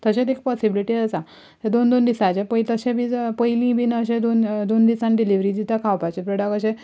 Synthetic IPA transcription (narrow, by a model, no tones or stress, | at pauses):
t̪əɕet̪ek̚pɔsibiliʈid͡zəsa | t̪ed̪ond̪ond̪isat͡ɕepəjt̪əɕẽbʱiːpəjlĩbʱinəɕẽd̪ond̪ond̪isanɖiliʋɾiːd͡ʑ̪it̪akʰawpat͡ɕepɾeɽakəɕẽ